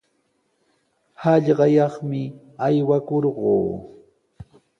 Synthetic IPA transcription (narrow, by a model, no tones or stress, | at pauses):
hɑʎɢɑjɑχmɪ | ajwakoɾɢoː